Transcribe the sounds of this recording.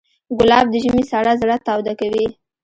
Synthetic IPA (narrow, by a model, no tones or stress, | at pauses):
ɡʊlɑb̚d̪əʒəmesaɽazaɽat̪ɑwd̪akawi